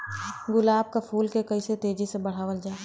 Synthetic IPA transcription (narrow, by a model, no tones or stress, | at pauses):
ɡʊlaːb̚kapʰuːlkekɐiset̪eːd͡ʒisebɐɽ̤aːʋəld͡ʒaː